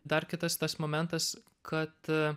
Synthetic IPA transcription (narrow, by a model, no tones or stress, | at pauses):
d̪ɐrkʲɪt̪ɐst̪ɐsmoːmʲɛnt̪ɐs | kʰɐt̪